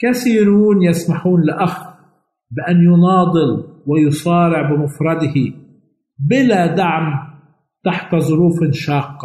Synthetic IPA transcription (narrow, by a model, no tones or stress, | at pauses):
kaθiːɾuːnjasmaħuːnlʔax | bɪʔanjʊnɑːd̪ˤɨlwɪjʊsˤɑːɾɪʕbɪmʊfɾˤɑd̪ɪhi | bɪlad̪aʕm | t̪aħt̪zˤʊɾuːfɪnʃɑːqːɑ